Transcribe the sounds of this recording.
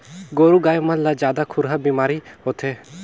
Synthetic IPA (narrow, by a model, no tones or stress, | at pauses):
ɡoːɾuɡaːjmanlad͡ʒjaːd̪akʰʊɾɦabimaːɾihoːt̪ʰeː